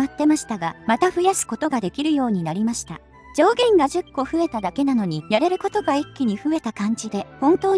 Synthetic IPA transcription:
at̪ːe̞maɕi̥t̪aɡamat̪aɸɯ̟jasɨ̥ko̞t̪o̞ɡad̪e̞kʲiɾɯ̟jo̞ːɲ̟inaɾʲimaɕi̥t̪a | d͡ʑo̞ːɡẽ̞ŋɡaʑɨkːo̞ɸɯ̟e̞t̪ad̪ake̞nano̞ɲ̟ijaɾe̞ɾɯ̟ko̞t̪o̞ɡaikʲːiɲ̟iɸɯ̟e̞t̪akãɲ̟d͡ʑid̪e̞hõ̞nt̪o̞ː

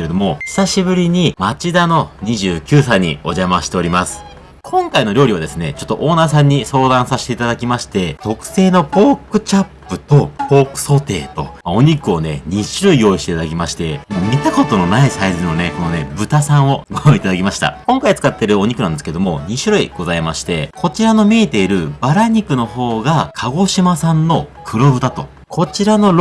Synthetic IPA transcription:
keed̪o̞mo̞çi̥saɕibɯ̟ɾʲiɲ̟imat͡ɕid̪ano̞ɲ̟iʑɨːkʲɨːsaiɲ̟ḭo̞ʑamaɕi̥t̪e̞o̞ɾʲimasɨ̥ | kʰõ̞ŋkaino̞ɾʲo̞ːɾʲiβad̪e̞sɨne̞t͡ɕo̞t̪ːo̞ʔo̞ːnaːsãɲ̟ːiso̞ːd̪ãɰ̃saɕi̥t̪e̞it̪ad̪akʲimaɕi̥t̪e̞t̪o̞kɯ̟̥se̞ːno̞po̞ːkɯ̟t͡ɕapːɯ̟t̪o̞po̞ːkɯ̟̥so̞t̪e̞̰ːt̪o̞̰mao̞ɲ̟ikɯ̟o̞ne̞ɲ̟iɕiɾoijo̞ːiɕt̪eit̪ad̪akʲimaɕi̥t̪e̞momʲit̪ako̞t̪o̞no̞naisaizɨno̞ne̞ko̞no̞ne̞̰bɯ̟t̪asãɰ̃o̞ɡoɾãit̪ad̪akʲimaɕi̥t̪a̰kõ̞ŋkait͡sɨ̥kat̪ːe̞ɾɯ̟o̞ɲ̟ikɯ̟ãnd̪sɨ̥ked̪omo̞ɲ̟iɕiɾoḭɡ̥o̞zaimaɕi̥t̪e̞̰kʰo̞t͡ɕiɾano̞mʲiːt̪e̞iɾɯ̟baɾaɲ̟ikɯ̟no̞ho̞ːɡakʰaɡo̞ɕimasãnːo̞kʰɯ̟ɾo̞bɯ̟d̪at̪o̞̰ | kʰo̞t͡ɕiɾano̞ɾ

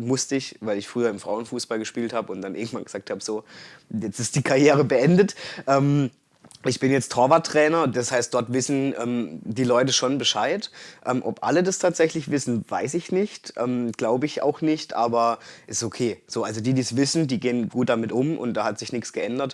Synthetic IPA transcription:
mʊstəɪçvaɪlɪçfʁ̥yːɐɪmfʁ̥a̰ʊənfuːsb̥alɡəʃpiːlthaːbəʊntd̥anʔɪɐɡŋ̩tv̥anɡəz̥aːk̚thaːbəzoːjɛt͡stɪstd̥iːkʰaɐjeːʁ̞əbəʔɛndətʔɛːm | ʔɪçb̥ɪnjɛt͡stʰɔɐvatʁ̥ɛːnɐdashaɪst̚d̥ɔɐtv̥ɪsn̩ʔɛ̰ːmd̥iːlɔʏtəʃonbəʃaɪtʔɛːmʔɔpʔa̰lədastʰaːtz̥ɛçlɪçv̥ɪsn̩va̰ɪsɪçnɪçtʔɛ̰ːmɡ̥laʊbəɪçʔa̰ʊxnɪçtʔa̰ːbɐʔɛssokʰeːz̥oːʔalzodiːdiːsv̥ɪsn̩diːɡeːənɡuːt̚d̥amɪtʔʊmʔʊ̰ntd̥aːhatz̥ɪçnɪksɡ̥əʔɛndɐt

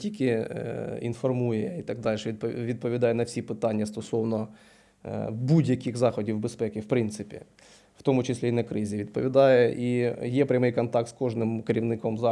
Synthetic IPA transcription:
tʲikʲɪ | infɐrmujɛit̪ɐɡ̚d̪alʲʃɛpʋʲid̪̚pɔʋʲɪd̪ajɛnɐfsʲipɪt̪anʲːjɐst̪ɔsɔʋnɔ | budʲjɐkʲiɣzɑxɔdʲiwbɪspɛkʲɪfpɾɪnt̪sɨpʲɪ̰ | ft̪omut͡ɕɪsʲlʲeinɐkɾɪzʲɪʋʲɪd̪̚pə̰ʋʲɪd̪ajɛʔijepɾʲɐmɨjkɐnt̪ɑk̚t̪skoʐnɪmkɐɾʲiʋnɪkomzɑ

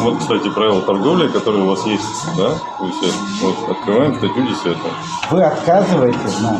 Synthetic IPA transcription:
mokst̪atʲɪpɾavʲɪlˠət̪ɐrɡo̞vlʲɪkɐt̪o̞ɾəjəʊvasjesʲtʲd̪a | ɐfsʲe | vot̪ɐ̰t̪̚kɾɨvajɪmt̪əlʲudʲɪsvʲat̪ə | vɨɐt̪kazɨvəjɪtʲɪsʲna

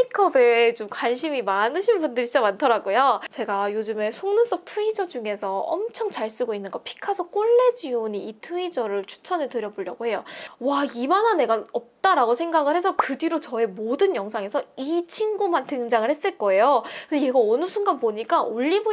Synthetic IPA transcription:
pʰikʰʌbe̞t͡ɕomkwanɕʰimimanɯɕʰinbundɯɾit͡ɕamantʰʌɾaɡojot͡ɕe̞ɡajod͡ʑɯme̞sʰoŋnɯs͈ʌp̚tʰuid͡ʑʌd͡ʑuŋe̞sʰʌʌ̰mt͡ɕʰʌŋt͡ɕaɭs͈ɯɡoinːɯnɡʌpʰi̥kʰasʰʌk͈oɭːe̞d͡ʑioniitʰuid͡ʑʌɾɯɭt͡ɕʰu̥t͡ɕʰʌnɯɭtɯɾjʌboɭjʌɡoɦe̞jowaimanane̞ɡaʌp̚t͈aɾaɡosʰe̞ŋɡaɡɯɭhe̞s̬ʰʌkɯdiɾot͡ɕʌe̞modɯnjʌŋsʰaŋe̞sʰʌit͡ɕʰinɡumantɯŋd͡ʑaŋɯɭhes͈ɯɭk͈ʌe̞jokɯndejeɡaʌnɯsʰunɡanpoɲik͈aoʎːibo

